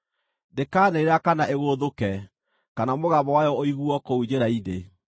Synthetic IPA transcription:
dekaːneeɾakanaʔeɣoðokɛ | kanamoɣaβɔwajɔoiɣuɔkoud͡ʑeɾaine

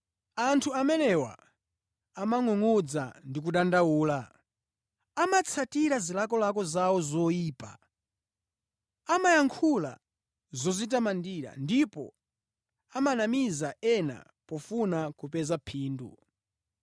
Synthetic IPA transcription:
antʰuamɛnɛwa̰ | amaŋɔŋud͡za̰ndik̬uɗandawuːla | amat͡sʰatiɾazilakɔlakɔzawɔzɔiːpa̰ | amajaŋkʰula̰ | zɔzit̬amandiɾa̰ndipɔ̰ | amanamizaɛna̰ | pɔfunakupɛzapʰiːndṵ

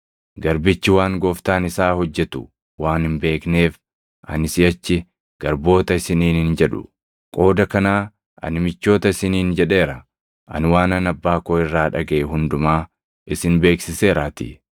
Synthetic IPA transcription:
ɡɐɾbɪt͡ʃːɪwaːŋɡoːft̪aːnɪsaːhɔd͡ʒːɛt̪ʊ | waːnhɪmbe̞ːkne̞ːf | ʔɐ̰nɪsɪjɐt͡ʃːɪ | ɡ̥ɐɾbo̞ːt̪ɐɪsɪniːnhɪnd͡ʒɛᶑʊ̰ | kʼo̞ːd̪ɐkɐnaː | ɐ̰nɪmɪt͡ʃːo̞ːt̪ɐɪsɪniːnd͡ʒɛᶑe̞ːɾɐ | ʔɐ̰nwaːnɐnɐbːaːkoːɪrːaːᶑɐɡɐʔɛɦʊnd̪ʊmaː | ʔɪsɪnbe̞ːksɪse̞ːɾaːt̪ɪ̰

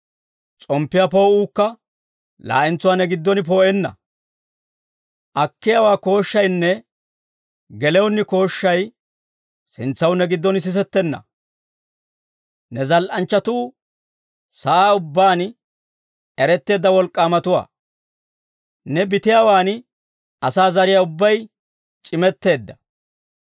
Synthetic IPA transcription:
t͡sʼɔmpːɪjapoːuːkːɐ | la̰ːʔɪnt͡sːʊwaːnɛɡɪd̪ːɔnɪp̬o̞ːʔɛnːɐ̰ | ʔɐkːɪjaːwaːko̞ːʃːɐjnːɛ | ɡɛlɛwʊnːɪko̞ːʃːɐj | sɪnt͡sːɐwnɛɡɪd̪ːɔnɪs̬ɪs̬ɛt̪ːɛnːɐ̰ | nɛzɐlʔɐnt͡ʃːɐt̪uː | sɐʔaːʊbːaːn | ɛɾɛt̪ːe̞ːd̪ːɐwɔlkʼːaːmɐt̪ʊwa̰ː | nɛbɪt̪ɪjaːwaːn | ɐsaːzɐɾɪjaʊbːɐj | t͡ʃʼɪmɛt̪ːe̞ːd̪ːɐ̥

